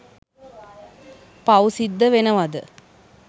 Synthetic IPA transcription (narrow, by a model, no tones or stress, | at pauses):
pausid̪ːəʋenəʋad̪ə